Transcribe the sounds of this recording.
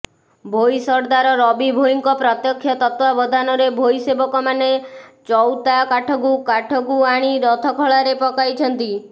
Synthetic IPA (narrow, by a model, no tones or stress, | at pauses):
bʱojsɔɾd̪aɾɔɾɔbibʱoiŋkɔpɾɔt̪jɔkʰːjɔt̪ɔt̪wabɔd̪ʱanɔɾebʱojsebɔkɔmanet͡ʃɔwt̪akaʈʰɔɡukaʈʰɔɡuaɽ̃iɾɔt̪ʰɔkʰɔɭaɾepɔkajt͡ʃʰɔnt̪i